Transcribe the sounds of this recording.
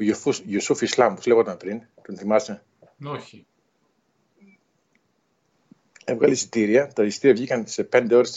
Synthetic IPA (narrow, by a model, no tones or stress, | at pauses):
oufusʝusufislɐmpozleɣot̪ɐmpɾin | t̪onθimɐse | oçi | e̞vɣɐlisi̥t̪iɾiɐt̪ɐisi̥t̪iɾiɐvʝikɐnse̞pe̞nd̪e̞o̞ɾes